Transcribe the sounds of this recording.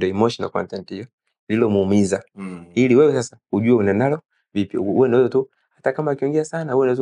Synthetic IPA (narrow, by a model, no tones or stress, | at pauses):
diɔɛmɔʃɔna̰lkɔ̰ntɛntihijɔ | lilɔmuːmizailiwɛwɛsasḁhuʄuaunanalɔ | vipjɔ̰uwɛnɔzɔtu | hatakamaːkiɔŋɡɛasanahuɛndt